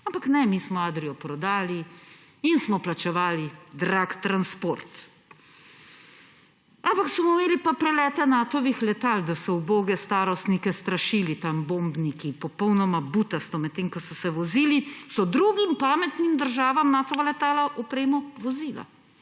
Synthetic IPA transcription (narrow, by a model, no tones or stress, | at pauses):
ampaknɛmismɔaːd̪ɾijɔpɾɔd̪aːli | insmɔplat͡ʃɛʋaːlid̪ɾakt̪ɾanspoɾt̪ | ampaksɔmɔmeːlipapɾɛlɛːt̪ɛnaːt̪ɔʋixlɛt̪aːld̪asɔuboːɡɛst̪aːɾɔst̪nikɛst̪ɾaʃiːlit̪ambombnikipɔpɔwnɔmabut̪ast̪ɔmɛt̪ːeːŋkɔsɔsɛʋɔziːlisɔd̪ɾuɡimpaːmɛt̪nimd̪əɾʒaːʋamnaːt̪ɔʋalɛt̪aːlaʔɔpɾeːmɔʋɔziːla̰